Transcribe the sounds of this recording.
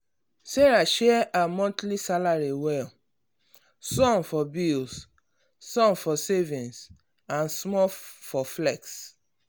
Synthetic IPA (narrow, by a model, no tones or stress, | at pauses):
seɹaʃɛʔamɔ̃ntlisalaɹiwɛl | sɔ̃nfɔbilsː | ɔ̃nfɔsevĩns | ãnsmɔfɔflɛks